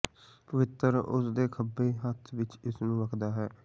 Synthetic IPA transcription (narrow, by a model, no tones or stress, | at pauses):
pəʋɪt̪ːəɾʊ̰sd̪eːkʰəbeːɦət̪ʰʋɪt͡ʃɪsnũːʋəkʰd̪aːɦɛː